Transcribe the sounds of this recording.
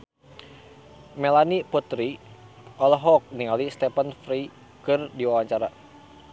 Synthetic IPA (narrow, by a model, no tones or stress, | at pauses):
mɛlaniput̪ɾi | ɔlɔɦɔk̚niŋalist̪ɛpanfɾi | kɨrdiwawaɲt͡ʃaɾa